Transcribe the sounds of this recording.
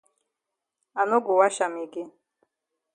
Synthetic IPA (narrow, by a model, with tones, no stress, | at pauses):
a˨nʊ˦ɡʊ˨wa˦ʃa˨mɪ˨ɡɪ˦